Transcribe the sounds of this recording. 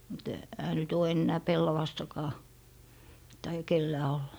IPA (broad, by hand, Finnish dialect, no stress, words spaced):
mut ehæ nyt oː enːæː pelːɑʋɑstɑkɑː tɑijɑ kelːæː olːɑ